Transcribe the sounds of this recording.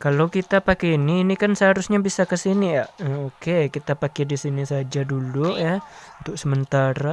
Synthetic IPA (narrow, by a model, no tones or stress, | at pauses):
kalokit̪apakɛiniːnikansəɦaɾusɲabisakəsinijaʔəokekit̪apakɛdisinisad͡ʒadulujaunt̪ʊk̚səmənt̪aɾa